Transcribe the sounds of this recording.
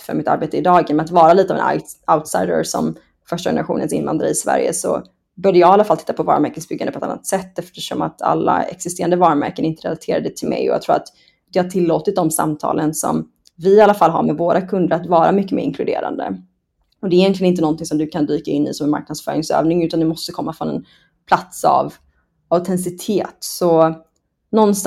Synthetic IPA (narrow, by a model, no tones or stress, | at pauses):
fœ̰ɾmɪt̪aɾbeːt̪əɪd̪ɑːɡənmɛnat̪vɑːɾaliːt̪əɑvɛnaaʊt̪sajd̪ə̰ɾsɔm | fœʂʈajɛnəɾaɧṵːnənsɪ̰nva̰nd̪ɾaɪsvæ̰ɾjə̰sɔ̰ | bœɖəjɑɡalːafalt̪ʰɪt̪ːapʰɔvɑ̰ːɾəmæɾkət̪sbʏɡːand̪əpʰɛt̪a̰nːa̰t̪sɛt̪ːɛft̪əʂɔmat̪ʰa̰lːa̰ɛ̰ksɪst̪eːɾand̪əvɑːɾəmæ̰ɾkənɪnt̪əɾɛlat̪ʰeːɾad̪ət̪ʰɪlmɛ̰jɔja̰t̪ʰɾuːɾat̪ | d̪ɛhaʈʰɪlːoːt̪ɪt̪̚d̪ɔmsa̰mt̪ʰɑ̰ːlənsɔ̰m | vɪalːafalːɦa̰ɾmɛvoːɾakʰɵnd̪əɾat̪vɑːɾamʏkːəmeːɾɪŋkʰlɵd̪ḛːɾa̰nd̪ə̰ | ɔd̪ɛɾjɛnk̪lɪənɪnt̪ənɔnt̪ɪŋsɔmd̪ɵkʰand̪yːkaɪnːɪ̰sɔmɛnma̰ɾk̚nad̪sfœ̰ːɾɪŋsø̰ːvnɪŋʉ̟t̪and̪ɛmɔst̪əkʰɔmːafɾɔnɛ̰n | pʰlat̪sa̰v | at̪ʰɛnsɪt̪ʰeːt̪sɔ | nɔnst̪